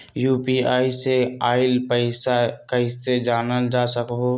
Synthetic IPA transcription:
juːpiaːiseaːɪlpəɪsakəɪsed͡ʒaːnəld͡ʒaːsəkɦoː

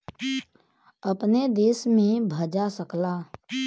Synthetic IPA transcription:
əpned̪eːsmẽbʱəd͡ʒasəklaː

